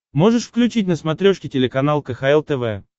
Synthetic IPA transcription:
mo̞ʐɨʂfklʲʉt͡ɕitʲnəsmɐt̪ɾʲoʂkʲɪtʲɪlʲɪkɐnalˠkəxaɛlˠt̪ɛvɛ̰

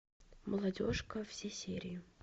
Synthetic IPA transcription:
məlˠɐdʲoʂkəfsʲesʲeɾʲɪjɪ

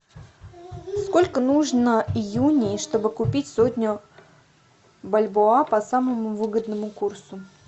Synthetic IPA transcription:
skolʲkənuʐnəijunʲɪʂt̪o̞bɨkʊpʲitʲsotʲnʲə | bɐlʲboapɐsaməmʊvɨɡəd̪nəmʊkursʊ

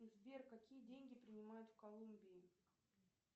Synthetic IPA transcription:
zvʲerkɐkʲijədʲenʲɡʲɪpɾʲɪnʲɪmajʊt̪fkɐlˠumbʲɪɪ

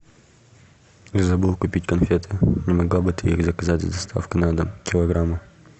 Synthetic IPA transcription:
nzɐbɨlˠkʊpʲitʲkɐnfʲet̪ʰɨnʲɪmɐɡlˠabɨt̪ɨixzɐkɐzatʲzd̪ɐst̪ʰa̰fkɪnad̪kʲɪlˠɐɡɾamːə

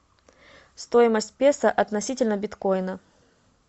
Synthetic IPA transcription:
st̪ojɪməsʲtʲpʲesəʔɐt̪nɐsʲitʲɪlʲnəbʲɪt̪ko̞jnə

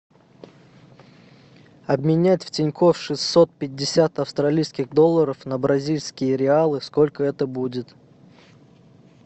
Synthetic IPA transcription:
ɐbmʲɪnʲætʲftʲɪnʲko̞fʂɨsːot̪̚pʲɪdʲːɪsʲat̪ɐfst̪ɾɐlʲijskʲɪɣd̪o̞lˠːəɾəfnəbɾɐzʲilʲskʲɪjəɾʲɪalˠɨsko̞lʲkəɛt̪əbudʲɪt̪

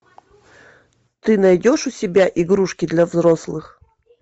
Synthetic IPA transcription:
t̪ɨnajdʲoʂʊsʲɪbʲaʔiɡɾuʂkʲɪd̪lʲɐvzɾɔslˠɨx

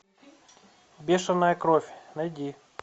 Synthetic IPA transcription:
bʲeʃɐnɐjɐkɾofʲnɐjd̪ʲi

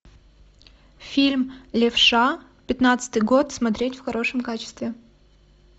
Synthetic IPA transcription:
fʲilʲmlʲɪfʂa | pʲɪt̪nat̪sɨ̥t̪ɨjɡot̪smɐt̪ɾʲetʲfxɐɾʔo̞ʂɨmkat͡ɕɪ̥st̪vʲɪ

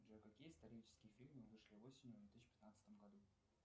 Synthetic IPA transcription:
ʐəkɐkʲijəɪst̪ɐɾʲijt͡ɕɪ̥skʲɪjəfʲilʲmɨvɨʂlʲɪvo̞sʲɪnʲjʊvd̪vʲet̪isɕːɪ̥pʲɪ̥t̪nat̪sə̥t̪əmɡɐd̪u

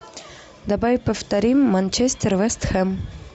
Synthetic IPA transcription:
d̪abajpəft̪ɐɾʲimːɐnʲt͡ɕesʲt̪ʲɪrvɛst̪xɛm

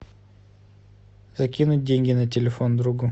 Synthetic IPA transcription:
z̥ɐkʲinʊt̚ʲdʲenʲɡʲɪnətʲɪlʲɪfo̞nd̪ɾuɡʊ

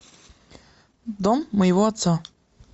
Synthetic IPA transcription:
d̪ɔmːəjɪvɔɐt̪sɔ

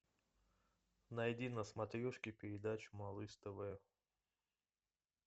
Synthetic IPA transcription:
nɐjd̪ʲinəsmɐt̪ɾʲoʂkʲɪpʲɪɾʲɪd̪at͡ɕʊ̥mɐlˠɨst̪əvəjʊ

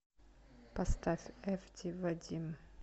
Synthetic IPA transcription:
pɐst̪afʲɛft̪ʲivɐdʲim

